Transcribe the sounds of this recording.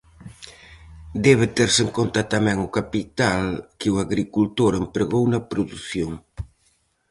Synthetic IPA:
d̪ɛβɪt̪ɛɾseŋkont̪ɐt̪amɛŋʊkapit̪alkɪʊaɣɾikult̪oɾempɾeɣownɐpɾoðuθjoŋ

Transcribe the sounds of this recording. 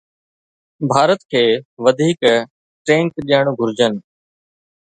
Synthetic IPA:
bʱaːɾət̪kʰeːʋəd̪ʱiːk | ʈɾeːɳkɗijəɽ̃ɡʱʊɾɪd͡ʑənɪ̆

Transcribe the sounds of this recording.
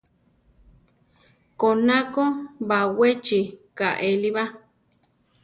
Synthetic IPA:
konãkobawet͡ʃikaʔeliβa

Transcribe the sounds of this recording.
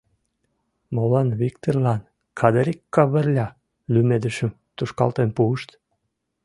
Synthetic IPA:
molɑnβikt̪orlɑn | kʰɑd̪əɾʲikːɑβə̆rlʲɑ | lymed̪əʃəm | t̪uʃkɑ̰lt̪enpuəʃt̪

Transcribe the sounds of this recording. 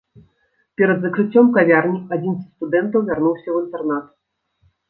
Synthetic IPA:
pʲɛɾɐd̪zɐkɾɨt͡sʲːɔmkavʲarnʲiad͡zʲinsʲst̪ud̪ɛnt̪ɐwvʲarnuwsʲɐwɨnt̪ɛrnat̪

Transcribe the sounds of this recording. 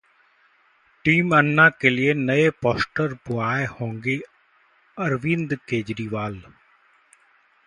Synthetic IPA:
ʈiːmənːãːkeːlɪeːnəeːpɔːsʈəɾbʊaːehõːŋɡeː | əɾʋɪ̃nd̪keːd͡ʒɾiːʋaːl

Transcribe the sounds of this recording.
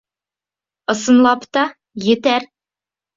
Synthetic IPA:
ɤ̆sɤ̆nlˠɑpt̪ɑ | jet̪æɾ

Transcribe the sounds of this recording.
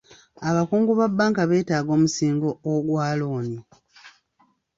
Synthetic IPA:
aβakuːŋɡuβabːaːŋkaβe̞ːtaːɡo̞ːmusiːŋɡooɡwaːloːni

